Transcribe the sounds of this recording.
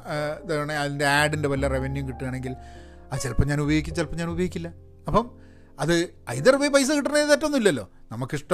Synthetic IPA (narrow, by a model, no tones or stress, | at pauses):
t̪ɐuɳeɐðinde̞aːɖindeʋɐlːɐreʋenjumkiʈːuaːɳe̞ŋɡil | ɐðt͡ɕelpɐmɲaːnubɐjoikʲːit͡ɕelpːɐmɲaːnubɐjɣikʲːilːɐ | ɐpːɐm | ɐðɨɐ̰jðɐrpɐjipɐjs̬ɨkiʈːɐneːnt̪ɐtːɐonːilːɐlːo̞̰ː | nɐmːɐkːiʂʈɐ